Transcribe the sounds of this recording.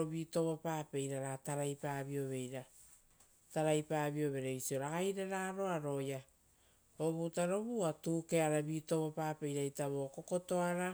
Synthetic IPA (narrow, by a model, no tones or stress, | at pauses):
oβito̞βopaːpe̞jɾaɾataɾajpaːβio̞βe̞jɾa | taɾajpaːβio̞βe̞ɾeisio̞ɾaɡajɾaɾaɾo̞aɾo̞ja | oβutaɾo̞βuatuːkeaɾaβiːto̞βopaːpe̞jɾajtaβo̞ko̞ko̞to̞aɾa